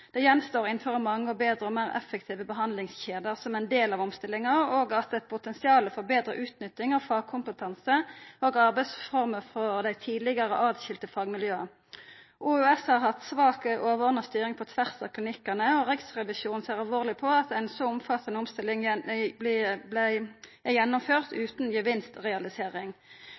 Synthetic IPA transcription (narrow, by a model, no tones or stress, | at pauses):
d̪̥ɛjɛnst̪oːʁɪnføːʁəmɑŋːəɔbeːd̪ɾəɔmæːʁɛ̰fːək̚t̪ʰiːʋəbəɦɑnd̪lɪŋsçeːd̪əʁsɔmæɪnd̪eːlɑʋɔmst̪ɪlːɪŋɑʁoːɡɑt̪ɛt̪̚pʰʊt̪ɛnsɪɑːləfɔʁbeːd̪ʁə̰ʔʉːt̪nʏt̪ːɪŋɑfɑːɡ̚kʰʊmpət̪ʰɑnsəoːɡɑʁbæɪsfɔʁməʁfɔd̪æɪt̪ʰiːd̪lɪɡɑʁəʔɑːd̪ɕɪlt̪əfɑːɡmɪljøːɑ | ʔuːʉɛshɑʁhɑt̪sʋɑːkəʔoːʋɔʁnɑst̪yːʁɪŋpʰɔt̪ʰʋæʁsɑkʰlɪnɪkːənəɔʁɛksʁɛʋɪʃjuːnn̩seːʁɑlʋoːʁlɪpʰɔɑt̪æɪnsoʊmfɑt̪ːənəɔmst̪ɪlːɪŋblɪblæɪjɛnːʊmføːʁt̪ʉːt̪njəʋɪnst̪ʁɛɑlɪseːʁɪŋ